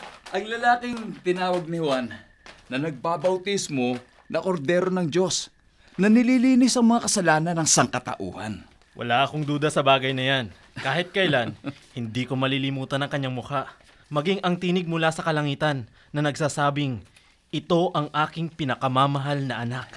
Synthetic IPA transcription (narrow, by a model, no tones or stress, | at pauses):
ʔɐŋlɐlaːkɪŋt̪ɪnaːwɐɡ̚nɪhʊanː | ɐnɐɡ̚babɐwt̪ismo̞ | nɐko̞ɾd̪ɛːɾo̞nɐŋd͡ʒo̞s | nɐnɪliliːnɪsɐŋmɐŋakɐsɐlaːnɐnɐŋsɐŋkɐt̪ɐ̰ʔṵːhɐ̰n | wʔɐ̰laʔɐko̞ŋd̪uːd̪ɐsɐbaːɡɐjnɐjan | kaːhɪt̪̚kɐɪlanhɪnd̪iːko̞mɐlilɪmuːt̪ɐnɐŋkɐɲːaŋmʊhaʔ | mɐɡiŋʔɐŋt̪iːnɪɡ̚mʊlasɐkɐlɐŋiːt̪ɐnː | ɐnɐɡsaːsaːbɪŋ | ʔɪt̪o̞ʔɐŋʔaːkɪŋpɪnɐkɐmaːmɐɦalnɐʔɐnak̚